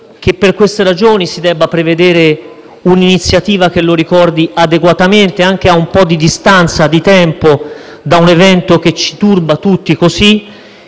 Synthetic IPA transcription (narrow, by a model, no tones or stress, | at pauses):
k̟epːerkwest̪eɾad͡ʒoːnisid̪ɛbːapɾeved̪eːɾe | uninit̪sjat̪iːvak̟elːoɾikɔrd̪iad̪eɡwat̪ament̪eaŋk̟eaumpɔd̪ːid̪ist̪ant̪sad̪it̪ɛmpo | d̪aunevɛnt̪ok̟et͡ʃːi̥t̪urbat̪ut̪ːikosi